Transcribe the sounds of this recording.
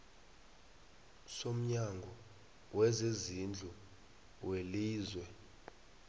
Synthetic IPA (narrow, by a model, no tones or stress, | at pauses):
som̩ɲaŋɡʱɔ | wɛzezind͡ɮʱu | weliːzwɛ